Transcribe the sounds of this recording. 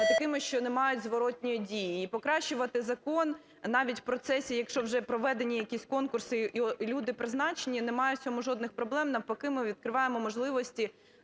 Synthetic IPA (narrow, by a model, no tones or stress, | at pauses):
t̪ɐkɪmɪʃt͡ʃɔnemɑjʊtʲzʋɔɾɔtʲnʲɔjidʲijiːpɔkɾɑʃt͡ʃːʊʋɐt̪ɪzɐkɔn | nɑʋʲitʲwpɾɔt̪sɛsʲijɐkʃɔwʒɛpɾɔʋɛd̪enʲijɐkʲisʲkɔnkʊrsɪlʲud̪ɪpɾɪznɑt͡ʃenʲinemɑjʊsʲɔmʊʒɔd̪nɪxpɾɔblˠɛmnɐwpɔkɪmɪʋʲid̪̚kɾɪʋɑjemɔmɔʒlˠɪʋɔsʲtʲi